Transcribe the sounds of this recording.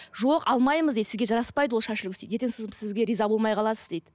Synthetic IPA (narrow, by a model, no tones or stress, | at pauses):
ʒoqɑlˠmɑjməzd̪ed̪sɪzɡʲe̞ʒɑɾɑspɑjd̪əw̪ˠʃɑʃɪlɪkʲʏst̪ej̪et̪ensosɪzɪzɡʲeɾizɑbo̞lˠmɑjqʰɑlˠɑsəzd̪e̞jd̪ɪ